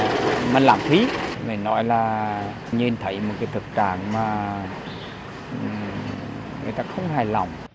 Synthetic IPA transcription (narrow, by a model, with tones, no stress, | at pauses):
maː˨˩la̰ː˧˩mt̪ʰi˨˦lə˨˩nɔ̰˧˥˦jlaː˨˩ | ɲɨ˧nt̪ʰə˧˩˦jmo˨˩kaː˨˦jt̪ʰɨ˨˩k̚t͡ɕa̰ː˧˨ŋmaː˨˩ | ŋɨ̰˨˩ət̪aː˧xə˧wŋ͡mhaː˨˩jla˨˩wŋ͡m